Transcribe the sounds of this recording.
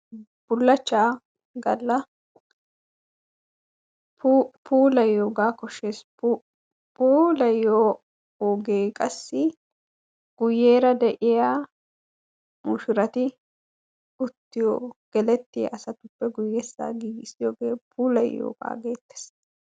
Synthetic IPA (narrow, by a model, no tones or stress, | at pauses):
b̥ʊlːɐt͡ʃːaː | ɡɐlːɐ | pːpʰuːlɐjːoːɡaːkɔʃeːs | puːlɐjoː | oːɡeːkʼɐsːɪ | ɡ̥ʊjːeːɾɐd̪ɛʔɪjaː | mʊʃʊɾɐt̪ɪ | ʊt̪ːɪjɔːɡ̥ɛlɛt̪ːɪjɐ̰ʔɐsɐt̪ʊpːɛɡʊjːɛsa̰ːɡiːɡɪsɪjoːɡeːpʰuːlɐ̰jːo̰ːɡ̥a̰ːɡeːt̪ːe̥s